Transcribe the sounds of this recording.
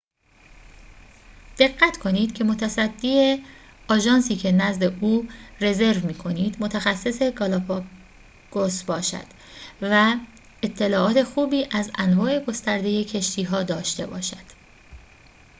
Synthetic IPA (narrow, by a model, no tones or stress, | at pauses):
d̪̥e̞ɢːæt̪ʰkʰo̞niːd̪̥cʰe̞mo̞t̪ʰæsæd̪ːiːe | ɒːʒɒːnsiːcʰe̞næzd̪e̞ʔuːre̞ze̞ɾvmiːkʰo̞niːd̪mo̞t̪ʰæxæsːe̞se̞ɡɒlɑpʰɑ | ɡ̥osbɒːʃæ̰d̪̥ | væ | et̪ʰːe̞lɒːʔɒːt̪ʰe̞xuːbiːʔæzænvɒːʔe̞ɡo̞st̪æɾd̪e̞je̞cʰe̞ʃt̪ʰiːɦɒːd̪ɒːʃt̪e̞bɒ̰ːʃæd̪̥